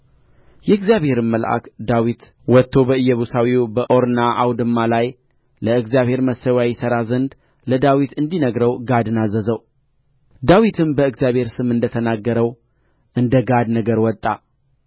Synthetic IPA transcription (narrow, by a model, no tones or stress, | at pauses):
jɛɨɡzjaβhe̞ɾɨmmːəlʔa̰kd̪awit̪ | wɔt̪ʰːo̞bəɨjːɛβusawiwbəʔoɾnaʔawd̪ɨmːalaj | ləɨɡzjaβhe̞ɾməsːəwjajɛsəɾazənd̪ | ləd̪awit̪ɨnd̪inəɡɾəwɡad̪ɨnazəzəw | d̪awit̪ʰɨmbəɨɡzjaβhe̞ɾsɨmɨnd̪ət̪ʰənaɡːəɾəw | ʔɨnd̪əɡad̪nəɡəɾwɔt̪ʼːa̰